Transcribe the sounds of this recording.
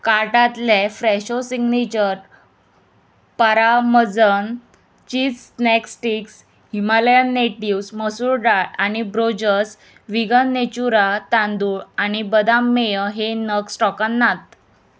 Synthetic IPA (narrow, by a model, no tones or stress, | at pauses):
kaɾʈat̪lefɾɛɕosiɡnet͡ɕəɾ | paɾaməd͡zən | t͡ɕiːt͡ssnɛksʈiks | himaljənːeʈiwsməsuɾɖaɽanibɾod͡ʑəɾs | ʋiɡənːet͡ɕuɾat̪ãnd̪uːɽañibəd̪amːejəɦenəksʈɔkənːat̪̚